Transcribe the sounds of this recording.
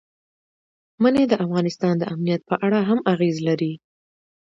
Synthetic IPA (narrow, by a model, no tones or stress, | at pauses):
maned̪əʔafɣɑnɪst̪ɑnd̪əʔamnijat̪̚pəʔaɽaɦamaɣezlaɾi